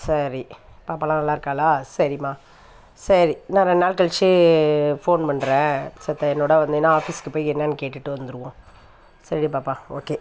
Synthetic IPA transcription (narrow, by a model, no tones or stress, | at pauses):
sɐɾipaːpaːlãːnɐlːaːɪɾɯkːaːlaːsɐɾimaː | sɐɾinãːɾɐ̃naːlkɐɭt͡ʃːɯfoːnpɐɳːɾɛ̃ːsɐt̪ːɐɛnːoːɽɐʋɐnd̪ɯnãaːfiskɯpːoːjɛnːɐnkeːʈːɯʈːɯʋɐnd̪ɯɾɯʋõː | sɐɾiipaːpːaːoːkeː